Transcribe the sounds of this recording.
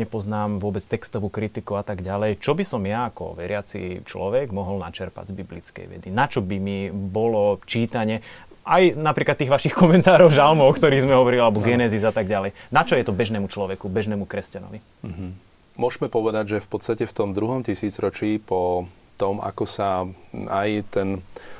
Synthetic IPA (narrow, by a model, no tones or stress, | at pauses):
ɲɛpɔznaːmʋʊɔbɛt͡st̪ɛkst̪ɔʋuːkɾit̪ikuat̪aɡɟalɛjt͡ʃɔbisɔmjaːkɔ̰ʋɛɾɪat͡sḭt͡ʃlɔ̰ʋɛɡmɔɦɔlnat͡ʃɛɾpa̰ɟzbiblḭt͡skɛ̰jʋɛ̰d̪inat͡ʃɔbimibɔlɔt͡ʃiːt̪aɲɛ | ʔajnapɾiːklat̪ːiːɣʋaʃixkɔmɛnt̪aːɾɔʊʒalmɔɔkt̪ɔɾiːɣzmɛɦɔʋɔɾilialɛbɔɡɛnɛzizat̪aɡɟalɛjnat͡ʃɔjɛt̪ɔbɛʒnɛːmut͡ʃlɔʋɛkubɛʒnɛːmukɾɛscanɔ̰ʋi | ɦ̩ | mʊɔʒmɛpɔʋɛd̪aɟʒɛfpɔt̪st̪acɛft̪ɔmd̪ɾuɦɔmt̪isiːd͡zɾɔt͡ʃiːpɔ | t̪ɔma̰kɔsaajt̪ɛn